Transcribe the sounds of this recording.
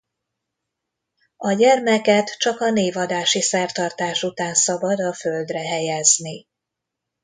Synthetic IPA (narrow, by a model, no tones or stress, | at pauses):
ɒɟɛrmɛkɛt̪t͡ʃɒkɒneːvɒd̪aːʃisɛrt̪ɒrt̪aːʃut̪aːnsɒbɒd̪ɒføld̪rɛɦɛjɛzni